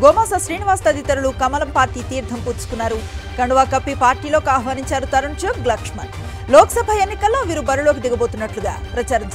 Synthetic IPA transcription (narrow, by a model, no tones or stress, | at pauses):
ɡoːmaːsɐʃɾiːniʋaːst̪ɐd̪it̪ɐɾulukɐmɐlɐmpaːɾʈiːt̪iːɾt̪ʰɐmpuːɾt͡ʃu̥kunːaːɾukɐɳɖuʋaːkɐpːipaːɾʈiːloːkaːɦʋaːɾiɲt͡ʃaːɾut̪ɐɾɐɳt͡ʃoːkɡlaːkʂmɐn | lɔːkɐsɐbʱɐenːikɐlːo̞ːʋiːɾubɐɾulo̞ːk̬id̪iɡɐbo̞ːt̪unːɐʈluɡaːpɾɐt͡ʃaːɾɐ